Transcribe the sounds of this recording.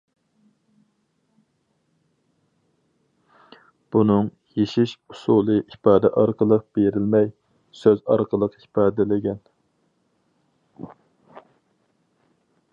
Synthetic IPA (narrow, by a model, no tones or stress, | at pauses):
b̥unɨŋ | jeʃiʃu̥sulˠɨʔipɑːd̪ɛʔɑɾqəlˠəq̚b̥eɾɪlmɛj | søzɑ̰ɾqəlˠəqi̥pʰɑːd̪ɛlɪɡʲɛn